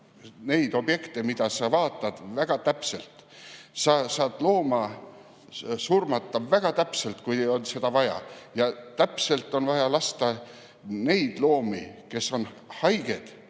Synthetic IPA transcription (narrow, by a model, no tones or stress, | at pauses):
ne̞jd̪o̞bje̞kt̪emid̪ɑsɑvɑːt̪ːˑɑd̪̥væɡ̥ɑt̪æpse̞lt̪ˑsɑsɑːd̪̥lo̞ːmɑ | surmɑt̪ˑːɑvæɡ̥ɑt̪æpse̞lt̪kujeolse̞d̪̥ɑvɑjɑ̰jɑt̪æpse̞lt̪ːˑo̞nvɑjɑlɑst̪ɑ | ne̞jd̪̥lo̞ːmike̞sːo̞n | hɑjɡ̥e̞d̪̥